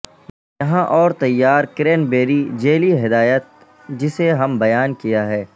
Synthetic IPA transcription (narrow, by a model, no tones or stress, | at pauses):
jɐɦãʔɔːɾt̪ɐjːaːɾkɾeːnbeːɾid͡ʒeːliɦɪd̪aːjət̪̚ | d͡ʒɪseɦɐmbɐjaːnkijaɦɛː